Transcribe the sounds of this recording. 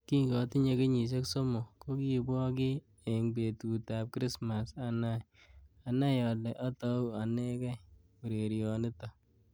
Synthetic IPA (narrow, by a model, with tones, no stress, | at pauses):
ki˦ɡɔ˨ti˦ɲe˧ke˦ɲi˨s̬e˦kso˦mo˨ko˦ki˦˨bɔ˦kɪ˦ | e˨ŋbe˨tu˨ta˨p̚kɾi˦sma˨sa˨na˦j | a˨na˦jɔ˨lɛ˨ʔɔ˦tɔ˦u˦a˨nɛ˦kɛ˦ | u˨ɾe˨ɾjɔ˨nɪ˦tɔ˨